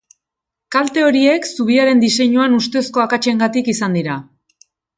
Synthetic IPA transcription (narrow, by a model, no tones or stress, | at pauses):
kalt̪e̞o̞ɾie̞ksuβ̞iaɾe̞nd̪ise̞ɲuanust̪e̞sko̞akat͡ʃe̞ŋɡat̪ikisand̪iɾa